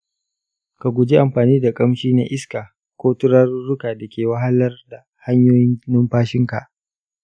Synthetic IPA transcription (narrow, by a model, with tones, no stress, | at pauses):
ka˨ɡʷʊ˨d͡ʒi˦ʔa˨mɸaː˨niː˦da˨kʼɐ˦mʃiː˦na̰˦ʔɪ˦skaː˨ | kʷoː˦tʊ˦ɾɐ˦rːʊ˦kaː˨da˨kʲʰeː˨wɐ˦ɦa˦lɐ˦rda˨ | ha˦ɲjoː˦jɪ˦nnɪ˦mɸaː˦ʃɪ˦ŋka˨ʔ